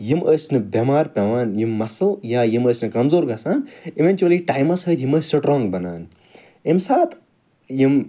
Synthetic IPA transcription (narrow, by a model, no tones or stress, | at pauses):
jiməjsnɨbemaːɾpʲeʋaːnjimːɐsɨljajiməːsnɨkɐmzoːɾɡɐsaːniʋenʲt͡ʃuɐliʈaːjmɐsɐt̪jimɐsɨʈɾɔ̃ːŋɡbɐna̰ːn | imsaːt̪ʰ | jim